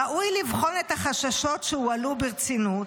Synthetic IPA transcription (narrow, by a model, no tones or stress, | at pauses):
aʔujlivχo̞net̪haχaʃaʃo̞tʃeualubiʁt͡sinut